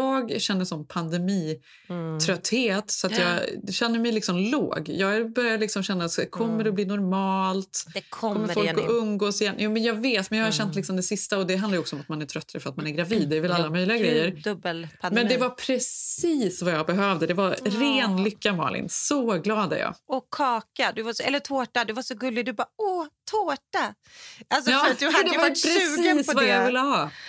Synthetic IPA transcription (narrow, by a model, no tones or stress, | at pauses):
jɑːɡɕɛnːəʂɔmpʰand̪ɛmiː | t̪ʰɾœt̪ːheːt̪sɔat̪jɑːɛɕɛnːəɾmɛjlɪksɔmlo̰ːɡjɑːɡbœɾjad̪lɪksɔmɕɛnːaɛkʰɔmːəɾɔbliːnɔɾmɑːlt̪kʰɔmːəɾfɔlkɔʔɵnɡoːsɪjɛnːjuːmɛnjɑːɡveːt̪mɛnjɑːhaɾɕɛnt̪lɪksɔmd̪ɛsɪst̪aɔd̪ɛɦanajəɔksɔɔmat̪manæɾʈʰɾœt̪ːaɾəfœɾat̪manæɾɡɾaviːd̪ːɛvɪlalːamœjlɪɡaɡɾɛjːəɾdd̪ɵbəlpʰamɛndd̪ɛvaɾpʰɾɛsiːsvajɑːɡbɛɦœːvd̪əd̪ɛvaɾɾeːnlʏkːamɑ̰ːɭɪ̰nsɔɡlɑːd̪æ̰ɾjɑ̰ːɔkʰːɑːkad̪ɵvasɔɛlːətʰoːʈad̪ɵvaʂɔɡɵlːɪɡd̪ɵbaɔt̪ʰoːʈa | alsɔɑːaad̪ɛvaaɾɛʉsːəːsvajavɪlːəɦɑː